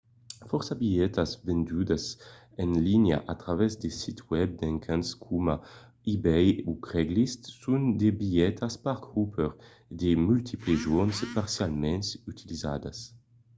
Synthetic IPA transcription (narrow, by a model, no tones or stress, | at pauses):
fɔɾsabiɛt̪azvɛnd̪yd̪az | ɛnlinja̰ʔat̪ɾavɛzd̪esit̪wɛb̚d̪ɛŋkʰãnskʰuma | ibɛjukɾɛɡlist̪sund̪ebiɛt̪ʰaspaɾkupʰɛɾ | d̪emylt̪ʰipleʒonspaɾsjalmɛnsyt̪ʰiliza̰d̪as